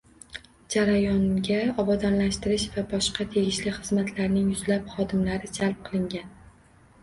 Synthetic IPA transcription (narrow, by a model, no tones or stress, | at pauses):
d͡ʒaɾajɒŋɡʲaɒbad̪ɒnlaʃt̪ɪɾɪʃvabɒʃqɑt̪ʰe̞ɡʲɪʃlɪχɨzmat̪ʰlaɾnɪŋjʊzlapχɒd̪ɪmlaɾɪd͡ʒalˠp̚qʰɨlˠɪŋɡʲan